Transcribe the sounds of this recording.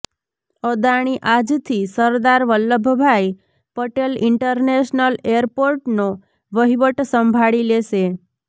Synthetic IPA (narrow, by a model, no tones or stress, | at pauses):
əd̪aɽ̃iʔad͡ʒt̪ʰisəɾd̪aɾʋəlːəbʱːbʱaj | pəʈelɪɳʈəɾneʃnəlejəɾpoɾʈno | ʋəɦiʋəʈsəmbʱaɭileʃe